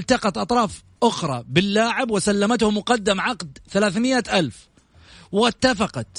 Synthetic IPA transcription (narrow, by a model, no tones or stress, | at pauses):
lt̪ɑqɑt̪ʔɑt̪ˤɾˤɑːf | ʔʊxɾˤɑ̰bɪlːaːʕɪbwɪsalːamat̪hʊmʊqɑd̪ːamʕɑqd̪θalaːθmɪʔaʔalf | wɪt̪ːafɑqɑt̪